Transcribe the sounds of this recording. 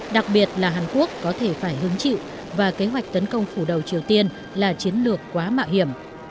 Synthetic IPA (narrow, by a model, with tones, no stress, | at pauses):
ɗa˨˩k̚ɓi˨˩ət̚laː˨˩ɦaː˨˩nku˦˥ək̚ːɔ˨˦t̪ʰe˧˩faː˧˩jɦɨ˨˦ŋt͡ɕḭ˧˨w | vaː˨˩ke˨˦ɦwa˨˩jk̟̚t̪ə˨˦nkə˧wŋ͡mfu˧˩ɗə˨˩wt͡ɕi˨˩əwt̪i˧ən | laː˨˩t͡ɕi˨˦ənlɨ˨˩əkːwaː˨˦ma̰ː˧˨whi˧˩əm